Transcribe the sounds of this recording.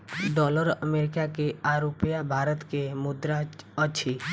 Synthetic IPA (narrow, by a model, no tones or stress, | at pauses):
ɖɔːləɾəmeɾɪkakeaɾopijabʱaːɾət̪kemʊd̪ɾaət͡ʃʰi